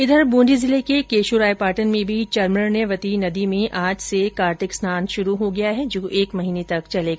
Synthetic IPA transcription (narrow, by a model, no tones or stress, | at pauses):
ɪd̪ʱəɾbũːnd͡ʒizɪlekekeːʃuɾaːjpaːɾʈənmẽbʱit͡ʃɐɾməɽneʋɐt̪inɐd̪imẽʔaːd͡ʒsekaːɾt̪ɪksnaːnʃʊɾuɦoɡɐjaɦɛd͡ʒoːʔeːkmɐɦiːnet̪ɐkt͡ʃɐleːɡa